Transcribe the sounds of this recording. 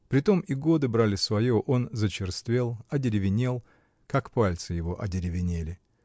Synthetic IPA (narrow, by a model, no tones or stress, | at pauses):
pɾʲɪt̪o̞miɡo̞d̪ɨbɾalʲɪsvɐjo̞ʔo̞nzət͡ɕɪrst̪vʲe̞lˠɐdʲɪɾʲɪvʲɪnʲe̞lˠ | kakpalʲt̪sɨjɪvo̞ʔɐ̰dʲɪɾʲɪvʲɪnʲelʲɪ